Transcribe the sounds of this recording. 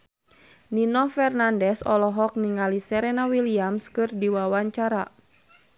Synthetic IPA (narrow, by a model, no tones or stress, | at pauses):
ninɔfɛrnandɛsɔlɔɦɔk̚niŋalisɛɾɛnawiliamskɨrdiwawaɲt͡ʃaɾa